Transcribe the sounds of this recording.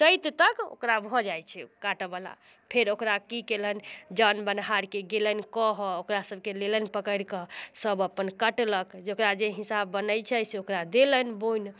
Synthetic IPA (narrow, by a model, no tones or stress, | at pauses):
t͡ʃəjt̪t̪əko̰kɾabʱɔd͡ʒajt͡ʃʰɛkaʈəbəla̰ | pʰeɾokɾakikelənd͡ʒanbənɦaɾkeɡelənkɔɦɔokɾasəbʱkelelənpəkəɾkəsəbəpːənkəʈləkd͡ʒokɾad͡ʒeɦisabːənəjt͡ʃʰɛseokɾad̪elənbojn